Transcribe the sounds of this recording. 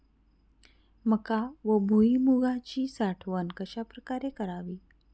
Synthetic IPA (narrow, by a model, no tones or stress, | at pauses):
məkaʋəbʱuimuɡat͡ɕiːsaʈʰʋənkəɕapɾəkaɾekəɾaʋiː